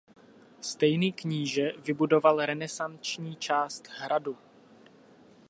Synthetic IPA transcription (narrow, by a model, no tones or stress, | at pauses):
st̪ɛjniːkɲiːʒɛvɪbudo̞valɾɛnɛsant͡ʃɲiːt͡ʃaːst̪ɦɾadu